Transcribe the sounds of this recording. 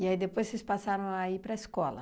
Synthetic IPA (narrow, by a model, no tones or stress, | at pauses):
iaid̪epojzssespasaɾɐ̃w̃aipɾɐiskɔlɐ̰